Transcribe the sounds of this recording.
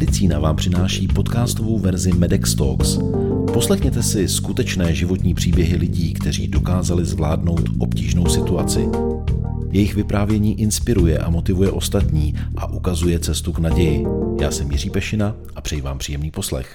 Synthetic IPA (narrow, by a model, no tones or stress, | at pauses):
mɛdɪt͡siːnavaːmpr̥ɪnaːʃiːpo̞t̪kaːst̪o̞vo̞wvɛɾzɪmɛdɛkst̪o̰ks | po̞slɛxɲɛt̪ɛsɪskut̪ɛt͡ʃnɛːʒɪvo̞t̪ɲiːpr̝̥iːbjɛɦɪlɪɟiːkt̪ɛr̝iːdo̞kaːzalɪzvlaːdno̞wt̪ʔo̞pciːʒno̞wsɪt̪uat͡sɪ̰ | jɛjɪxvɪpɾaːvjɛɲiːʔɪnspɪɾujɛʔa̰mo̞t̪ɪvujɛʔo̞st̪at̪ɲiːʔa̰ʔukazujɛt͡sɛst̪uknaɟɛjɪja̰ːsɛmjɪr̝iːpɛʃɪna | ʔapr̥ɛjivaːmpr̝̥iːjɛmniːpo̞slɛ̰x